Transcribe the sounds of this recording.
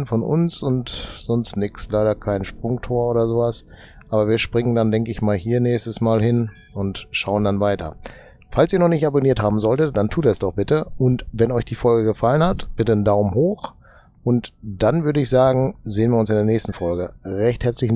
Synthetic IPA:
nfɔnʔʊ̰nsʊntz̥ɔnstnɪkslaɪɾɐkʰaɪnʃpʁ̥ʊŋtʰoːɐʔoːdɐzoːvas | ʔaːbɐviːɐʃpʁ̥ɪŋəndandɛŋkəɪçmaːlhiːɐnɛːçstəsmaːlhɪn | ʔʊntʃaʊəndanvaɪtʰɐ̰ | falsiːnɔχnɪçtaboniːɐthaːbm̩zɔltət̚d̥antʰuːtɛsd̥ɔχb̥ɪtəʔʊntvɛnɔʏçd̥iːfɔlɡəɡəfalənhatb̥ɪtəndaʊmɦoːx | ʔʊntd̥anvʏɐdəɪçz̥aːɡŋ̩zeːənviːɐʊnsɪndeːɐnɛːçstn̩fɔlɡəʁɛçthɛɐt͡slɪç

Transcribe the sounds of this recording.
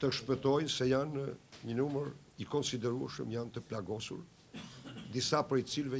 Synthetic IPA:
t̪əʃpət̪ɔjsɛjanɲənuməɾ | ikɔnsid̪ɛɾuə̰ʃə̰mjant̪əplaɡɔsṵɾ | d̪isapɾɛjt͡silvɛ

